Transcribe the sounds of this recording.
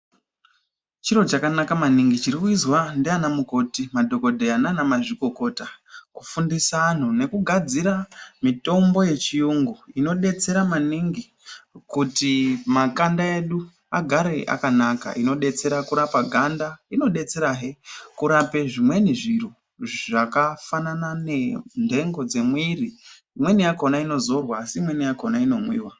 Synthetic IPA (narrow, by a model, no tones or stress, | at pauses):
t͡ʃiɾo̞t͡ʃakanakamaniŋɡit͡ʃiɾikuizwandianamuko̞timadʱo̞ko̞dʱeananamaʐiko̞ko̞takufundisan̤une̞kuɡʱad͡ziɾamito̞mbo̞je̞t͡ʃijuŋɡuino̞ɗe̞t͡se̞ɾamaniŋɡi | kutimakandae̞ɗu | aɡʱaɾe̞ʔa̰kanaka̰ʔino̞ɗe̞t͡se̞ɾakuɾapaɡʱandaino̞ɗe̞t͡se̞ɾaɦekuɾape̞ʐimwe̞niʐiru | ʐakafananane̞ndʱe̞ŋɡo̞d͡ze̞mwiriː | mwe̞nijako̞naino̞zo̞rwaːsiːmwe̞nijakonaino̞mwḭːwa